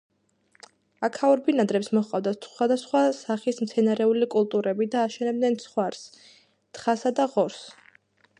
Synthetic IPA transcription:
akʰauɾbinad̪ɾɛpsmɔχqʼavd̪asχwad̪asχwasaχismt̪sʰɛnaɾɛulikʼulˠt̪ʼuɾɛbid̪aːʃɛnɛb̚d̪nɛnsχwaɾs | t̪χasad̪aʁɔɾs

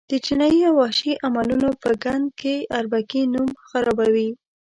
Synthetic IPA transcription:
d̪̥ət͡ʃinɑjiawɑʃiʔamalunopəɡand̪̚keaɾbakinumxaɾɑbawi

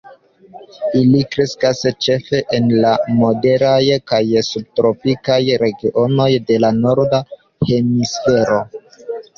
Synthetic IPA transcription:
ilikɾe̞skast͡ʃe̞fe̞ʔenlamo̞de̞ɾajkajsub̚tɾo̞pikajɾe̞ɡiʔo̞no̞jde̞lano̞ɾda | he̞misfe̞ɾo̞

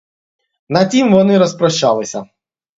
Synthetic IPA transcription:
nɐtʲimʋɔnɪɾɔspɾɔʃt͡ʃːalˠɪsʲɐ

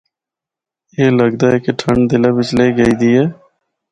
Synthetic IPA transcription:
eːləɡd̪aːɛkeʈʰəɳɖd̪ɪlabɪt͡ʃleːɡəiːd̪ieː

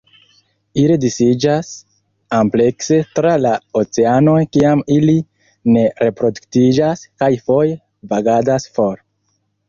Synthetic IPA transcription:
iɾedisid͡ʒas | ample̞kse̞tɾalaot͡seano̞jkiamili | ne̞ɾe̞pɾo̞duktid͡ʒaskajfo̞je | vaɡadasfo̞ɾ

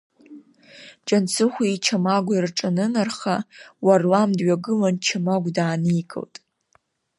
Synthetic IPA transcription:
d͡ʒʼant͡sʰɨχʷiit͡ʃʰamaɡʷirʈ͡ʂʼanɨnarχawarlamdɥaɡɨlant͡ʃʰamaɡʷdaːnijkʰʼɨ̰ltʼ

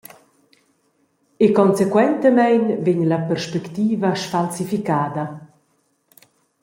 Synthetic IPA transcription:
ekɔnsekwɛnt̪əmɛjnveɲlapɛrʃpɛkt̪iːvaʃfalsifikaːd̪ɐ

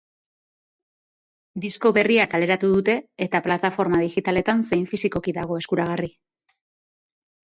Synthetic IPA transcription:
d̪isko̞βe̞riakale̞ɾat̪uð̞ut̪e̞ːt̪aplat̪afo̞ɾmað̞ixit̪ale̞t̪anse̞jɱfisiko̞kiðaɣo̞e̞skuɾaɣ̞ari

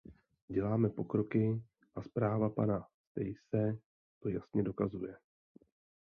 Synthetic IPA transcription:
ɟɛlaːmɛpo̞kɾo̞kɪ | ʔaspɾaːvapanast̪ɛ̰jsɛ | t̪o̞jasɲɛdo̞kazujɛ

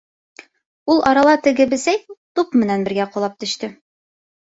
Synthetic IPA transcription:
ulˠʔɑɾɑlˠɑt̪ɘ̆ɡɘbɘ̆sæjt̪upmɘ̆nænbɘ̆ɾɡæqŏlˠɑp̚t̪ɵ̆ʃt̪ɘ

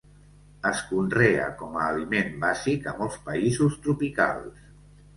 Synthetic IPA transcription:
əskunrea̰kɔmaːlimembazikəmɔlˠspəizust̪ɾupika̰lˠs

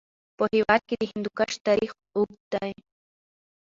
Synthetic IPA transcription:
pohewaːd̪̚kid̪ihɪnd̪ukaʃt̪aɾix | uɡ̚t̪aj

